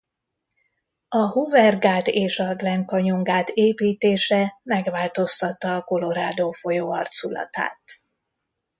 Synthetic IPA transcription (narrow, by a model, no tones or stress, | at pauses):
ɒhuvɛrɡaːt̪eːʃɒɡlɛŋkɒɲoŋɡaːt̪ʰeːpiːt̪eːʃɛmɛɡʋaːlt̪o̞st̪ɒt̪ːɒːko̞lo̞ɾaːd̪oːfo̞joːɒrt̪sulɒ̰t̪a̰ːt̪